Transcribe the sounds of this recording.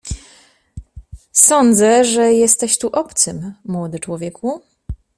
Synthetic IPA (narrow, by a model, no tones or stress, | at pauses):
sɔnd̪zɛʐɛjɛst̪ɛɕt̪uʔɔpt̪sɘmːwɔd̪ɘt͡ʂwɔvʲjɛku